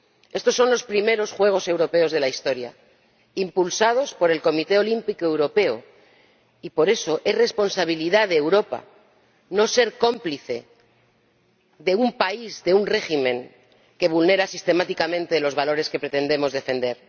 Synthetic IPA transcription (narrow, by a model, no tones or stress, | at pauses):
e̞st̪o̞sːo̞nlo̞spɾime̞ɾo̞sxwe̞ɣ̞o̞se̞wɾo̞pe̞o̞zð̞e̞laist̪o̞ɾja̰ | impulsað̞o̞spo̞ɾe̞lko̞mit̪e̞o̞limpikoe̞wɾo̞pe̞o | ipo̞ɾe̞so̞ʔe̞sre̞spo̞nsaβ̞iliðaðeːwɾo̞pa̰ | no̞se̞ɾko̞mpliθe̞ | ðe̞umpaizðe̞unre̞ximẽ̞ŋ | ke̞β̞ulne̞ɾasist̪e̞mat̪ikamẽ̞nt̪e̞lo̞zβalo̞ɾe̞ske̞pɾe̞t̪e̞nd̪e̞mo̞zðe̞fe̞nd̪e̞ɾ